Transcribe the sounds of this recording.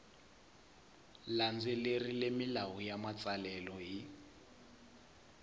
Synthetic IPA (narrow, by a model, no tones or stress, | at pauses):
land͡zɛlerilemilaɦujamat͡sʼalɛlɔɦi